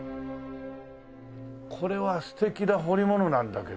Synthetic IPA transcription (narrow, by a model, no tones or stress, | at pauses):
kʰo̞ɾe̞βasɨ̥t̪e̞kʲinaɦo̞ɾʲimo̞no̞nãnd̪ake